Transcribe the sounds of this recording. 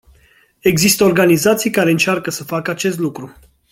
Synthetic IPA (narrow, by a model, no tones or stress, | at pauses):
e̞ɡzist̪əorɡanizat̪sijkaɾe̞ɨnt͡ʃarkəsəfakəat͡ʃe̞s̬t̪lukɾu